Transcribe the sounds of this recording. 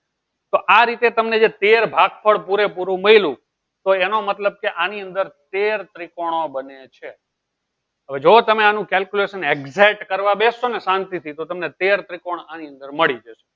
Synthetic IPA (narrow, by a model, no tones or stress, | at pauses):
t̪oʔaɾit̪et̪əmned͡ʒet̪eɾbʱaɡfʰəɭpuɾepuɾũməilũ | t̪oenomət̪ləb̚keʔaniə̃nd̪əɾt̪eɾt̪ɾikoɽ̃obənet͡ʃʰe | ɦəʋed͡ʒot̪əmeanũkɛlkjuleʃəneɡzeʈkəɾʋabesonesãnt̪it̪ʰit̪ot̪əmnet̪eɾt̪ɾikoɳ̃aniə̃nd̪əɾməɭid͡ʒəʃo̥